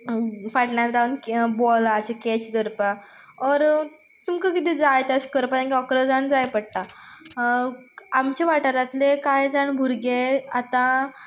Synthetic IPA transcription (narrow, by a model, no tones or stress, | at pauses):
faʈnjak̪ɾawnkbɔlat͡ɕeket͡ɕd̪əɾpa | ɔɾ | t̪umkəkid̪id͡zajt̪aɕkəɾpaɾakʲɔkɾəd͡zaɳd͡zajpəɽt̪a | amt͡ɕeʋaʈaɾat̪lekajd͡zaɳbʱuɾɡeat̪ã